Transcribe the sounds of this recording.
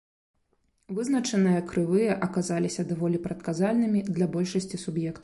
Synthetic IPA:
vɨznɐt͡ʂɐnɨjɐkɾɨvɨjɐʔɐkazalʲisʲɐd̪avɔlʲipɾɐt̪kazalʲnɨmʲid̪lʲɐbɔlʲʂɐsʲt͡sʲisubjɛkt̪w

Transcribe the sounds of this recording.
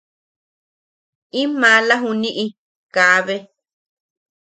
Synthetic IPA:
ĩmãlaɦũnĩʔi | kaβe

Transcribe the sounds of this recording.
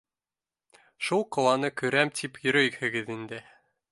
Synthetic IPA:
ʃulˠqŏwɑnɤkɵ̆ɾæmt̪ʰipjɵ̆ɾæjɘhɘ̆ɡɘðind̪ɘ

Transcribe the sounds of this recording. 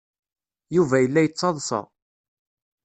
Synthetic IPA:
juvæjəlːæjət͡sːɑðˤsɑ̰

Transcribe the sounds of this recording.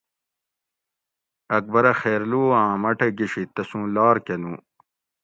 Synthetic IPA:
ɐk̚bɐɾɐxeːɾluːãːmɐʈɐɡiɕit̪ɐsũːlaːɾkenũ

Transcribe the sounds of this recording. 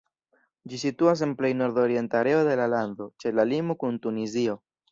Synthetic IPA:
d͡ʒisituas̬e̞nple̞jno̞ɾdo̞ɾie̞ntaɾe̞o̞de̞laland̪o̞t͡ʃe̞lalimokuntunizio̞

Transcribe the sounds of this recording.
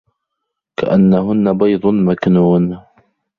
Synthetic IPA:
ka̰ʔanːaɦʊnːabɑjd̪ˤʊmaknuːn

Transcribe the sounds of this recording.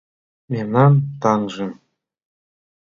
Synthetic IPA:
memnɑmt̪ɑŋʒɤ̆

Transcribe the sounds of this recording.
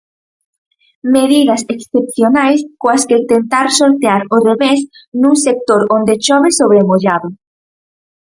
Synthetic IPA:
meðiðɐseksθep̚θjonajskoasket̪ent̪aɾsoɾt̪eaɾoreβesnuŋsek̚t̪oɾond̪eʃɔβɪsoβɾemoʎaðʊ

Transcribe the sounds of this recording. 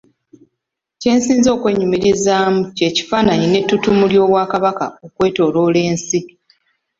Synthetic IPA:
ce̞ːnsiːnzo̞ːkwe̞ːɲumiɾizaːmuce̞ːci̥faːnaɲine̞tːutumuljo̞ːβwaːkaβakao̞kwe̞ːto̞ːlo̞ːle̞ːnsi

